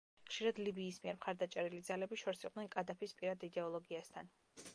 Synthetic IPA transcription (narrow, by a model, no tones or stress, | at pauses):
χʃiɾad̪libiːsmiɛɾmχaɾd̪at͡ʃʼɛɾilid̪zalɛbiʃɔɾsiqʼvnɛnkʼad̪apʰispʼiɾad̪id̪ɛɔlˠɔɡiast̪ʰan